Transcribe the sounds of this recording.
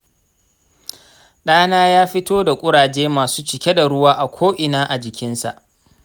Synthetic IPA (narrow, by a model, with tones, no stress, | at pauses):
ɗaː˦naː˦jaː˦ɸɪ˦toː˦da˨kʷʼʊ˦ɽaː˨d͡ʒeː˦maː˨suː˦t͡ʃɪ˨kʲe˦da˨ɽʊ˦waː˦ʔa˨kʷʰoː˦ʔɪ˨naː˦ʔa˨d͡ʒɪ˨kʲɪ˦nsa̰˨ʔ